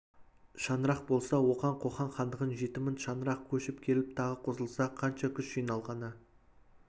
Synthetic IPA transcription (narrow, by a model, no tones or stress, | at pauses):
ʃɑnəɾɑq̚bo̞lˠsɑwo̞qɑɴqʰo̞χɑɴχɑnd̪əʁənʒe̞t̪ɪmɪnʃɑnəɾɑq̚kʲʰɵʃɪpkʲʰe̞lɪp̚t̪ʰɑʁəqʰozəlˠsɑqʰɑnʃɑkʲʰʏsʒ̥ijnɑlˠʁɑnə